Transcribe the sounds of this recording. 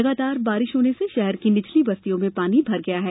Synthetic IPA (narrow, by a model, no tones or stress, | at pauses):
ɐɡaːt̪aːɾbaːɾɪʃɦoːneseʃɛɦɛɾkinɪt͡ʃʰlibɐst̪ijõmẽpaːnibʱɐɾɡɐjaɦɛː